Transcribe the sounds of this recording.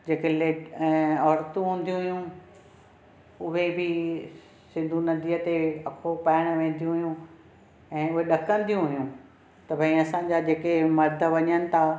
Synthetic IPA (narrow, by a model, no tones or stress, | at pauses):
d͡ʑeːkele | ɔːɾt̪ũɦũːn̆d̪ijũɦʊjũ | ʊɦebɪ | sɪ̃nd̪ʱũnɐd̪ʱiːət̪eɐkʰopaːɪɽ̃ʋẽːn̆d̪ijũɦʊjũ | ɛ̃ːʊɦeɗɐkə̃n̆d̪ijũɦʊjũ | t̪ɐbʱɐĩɐsãːɲ̆d͡ʑad͡ʑeːkemɐɾd̪ʱəʋɐɲənɪ̆t̪ʰaː